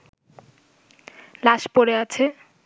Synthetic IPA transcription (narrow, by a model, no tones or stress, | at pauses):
laʃpoɾeat͡ɕʰe